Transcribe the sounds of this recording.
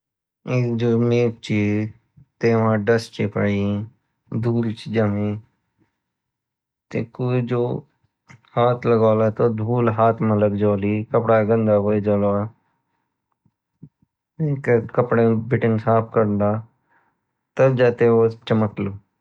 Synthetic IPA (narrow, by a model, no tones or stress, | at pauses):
eːd͡ʒoːmeːp̚t͡ʃi | t̪eːʋãːɖəst͡ʃeːpaːi | d̪ʱuːlt͡ʃid͡ʒəmẽː | t̪ḛkoːid͡ʒoː | haːt̪ʰləɡaːlaːt̪oːd̪ʱuːlɦaːt̪ʰmələkd͡ʒoːliːkəpɽaɡə̃nd̪aːɦoːed͡ʒɔːlːa | eːkkəpɽeːbɪʈɪnsaːpʰkəɾnd̪aː | t̪əbd͡ʒaːt̪eːoːt͡ʃəməkloː